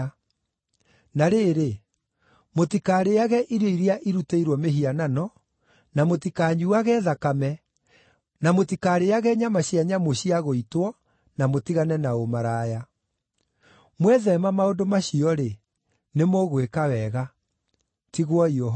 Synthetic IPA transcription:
naɾeɾe | motikaːɾeaɣɛʔiɾoiɾiaʔiɾuteiɾwɔmeɦiananɔ | namotikaːɲuaɣɛðakamɛ | namotikaːɾeaɣɛɲamaɕiaɲamoɕiaɣoitwɔ | namotiɣanɛnaomaɾaːja | mwɛðɛmamaondomaɕiɔɾe | nemoɣwekawɛɣa | tiɣwɔiɔ

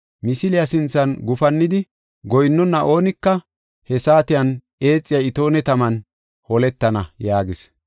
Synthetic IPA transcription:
mɪsɪlɪjɐsɪnt͡sːɐnɡʊfɐnːɪd̪ɪ | ɡɔjnːɔnːɐʔo̞ːnɪkːɐ | hɛsaːt̪ɪjɐn | e̞ːt͡sʼːɪjɐɪt̪o̞ːnɛt̪ɐmɐn | hɔlɛt̪ːɐnɐjaːɡɪs

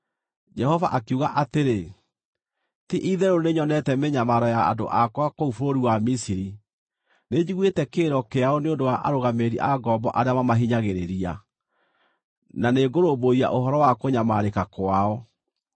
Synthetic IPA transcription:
d͡ʒɛhɔvaʔakuɣaʔateɾe | tiʔiðɛɾoneɲɔnɛtɛmeɲamaɾɔja̰ːdo̰ʔakwakoufoɾoɾiwamisiɾi | ned͡ʑiɣwetɛkeːɾɔkeaɔneondowaʔa̰ɾoɣameɾḭʔaɡɔbɔʔaɾeamamaɦiɲaɣeɾeɾia | naneɡoɾoboia̰ʔoɦɔɾɔwakoɲamaːɾekakwaɔ

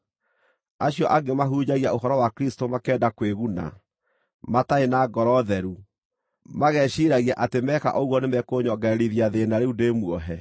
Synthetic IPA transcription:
aɕjɔʔaɡemaɦuːd͡ʑaɣiaoɦɔɾɔwakɾistomakɛːdakweɣuna̰ | mataenaɡɔɾɔðɛɾu | maɣɛːɕiɾaɣiaʔatemɛːka̰ʔoɣwɔnemɛkoːɲɔɡaeɾiðiaðenaɾeudemwɔɦɛ

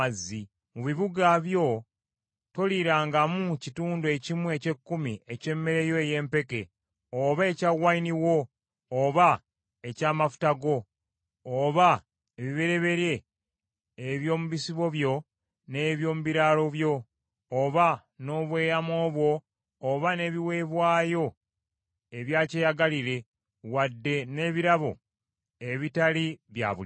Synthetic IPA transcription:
azːi | muβiβuɡaβjo̞ | to̞liɾaːŋɡamucituːndue̞cimwe̞ce̞kːumie̞ce̞mːe̞ɾe̞jo̞eje̞ːmpe̞ke̞ | oβae̞caɣwainiwo̞ː | βa | e̞caːmafu̥taɡo̞ː | βa | eβiβe̞ɾe̞βe̞ɾe̞ː | βjo̞ːmuβisiβo̞βjo̞ | ne̞βjo̞ːmuβiɾaːlo̞βjo̞ː | βa | no̞ːβwe̞ːjamo̞ːβwo̞ː | βane̞ːβiwe̞βwaːjo̞ | e̞βjaːcejaɡaliɾe̞ | wadːe̞ne̞ːβiɾaβo̞̰ | eβitaliβja̰ːβu

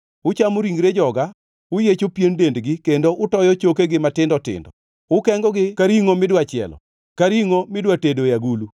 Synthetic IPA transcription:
ʊt͡ʃamoɾiŋɡɾed͡ʒɔɡa | ʊjet͡ʃopjendendɡɪkendoʔʊtɔjɔt͡ʃokeɡɪmatɪndɔtɪ̰ndɔ | ʊkɛŋɡɔɡɪkaɾiŋomɪdwat͡ʃɪɛ̰lɔ̰ | kaɾiŋomɪdwatedojaɡulu

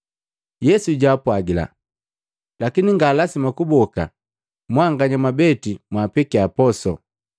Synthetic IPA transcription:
jɛsuɟaːpwaɡila̰ | lakiniŋɡaːlasimakubɔka̰ | mwaŋɡaɲamabɛtimwaːpɛkiapɔsɔ

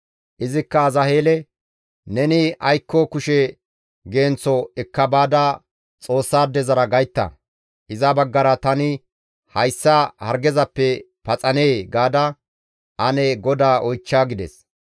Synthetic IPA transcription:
ʔɪzɪkːɐːzɐhe̞ːlɛ | nɛnɪʔɐjkːɔkʊʃɛ | ɡe̞ːnt͡sːɔɛkːɐbaːd̪a | t͡sʼo̞ːsːaːd̪ːɛzɐɾɐɡɐjt̪ːɐ̰ | ʔɪzɐbɐɡːɐɾɐt̪ɐnɪ | hɐjsːahɐɾɡɛzɐpːɛ | pɐt͡sʼɐneːɡaːd̪ɐ | ɐnɛɡɔd̪aːʔɔjt͡ʃːaːɡɪd̪ɛ̰s

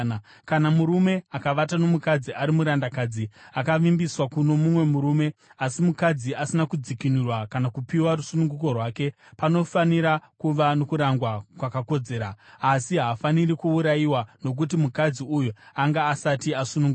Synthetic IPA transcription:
kanamuɾume̞akaʋatano̞mukad͡ziʔaɾimuɾandakaːd͡ziakaʋimbiswakuno̞mumwe̞muɾume̞asimukad͡ziasinakud͡zikinurwakanakupiwaɾusunuŋɡuk̬o̞rwaːke̞ | pano̞faniɾakuʋanokuɾaŋɡwakwakako̞d͡ze̞ːɾaːsiɦaːfanirikuuɾajiwano̞k̬ut̬imukad͡ziujuaŋɡaːsatiasunuŋɡu

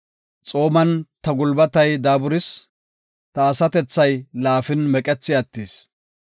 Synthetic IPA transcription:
t͡sʼo̞ːmɐnt̪ɐɡʊlbɐt̪ɐjd̪aːbʊɾɪs | t̪ɐːsɐt̪ɛt͡sːɐjlaːfɪnmɛkʼɛt͡sːɪɐt̪ːis

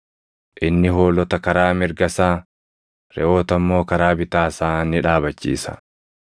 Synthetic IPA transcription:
ʔɪnːɪho̞ːlɔt̪ɐkɐɾaːmɪɾɡɐsaː | ɾɛ̰ʔo̞ːt̪ɐmːo̞ːkɐɾaːbɪt̪aːsaːnɪᶑaːbɐt͡ʃːḭːsɐ̰

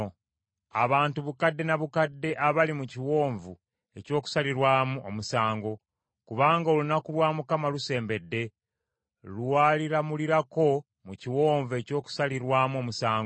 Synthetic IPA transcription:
a̰βaːntuβukadːe̞naβukadːe̞ʔaβalimuciwo̞ːɱvu | e̞co̞ːku̥saliɾwaːmuomusaːŋɡo̞ | kuβaːŋɡaolunakulwaːmukamaluse̞ːmbe̞dːe̞ | luwaːliɾamuliɾako̞ | muciwo̞ːɱvue̞co̞ːku̥saliɾwaːmo̞musaːŋɡ

